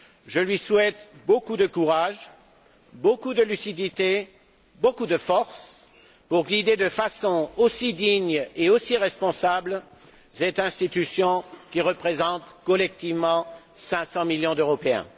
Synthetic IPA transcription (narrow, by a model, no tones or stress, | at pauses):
ʒəlɥiswɛt̪bokud̪əkuʁaʒ | bokud̪əlysid̪it̪e | bokud̪əfɔʁs | puʁɡʲid̪ed̪əfasɔ̃osid̪iɲeosiʁɛspɔ̃sabl | sɛt̪ɛ̃st̪it̪ysjɔ̃kʲiʁəpχezɑ̃t̪kɔlɛk̚t̪ivmɑ̃ | sɛ̃sɑ̃miljɔ̃d̪øʁɔpeɛ̰̃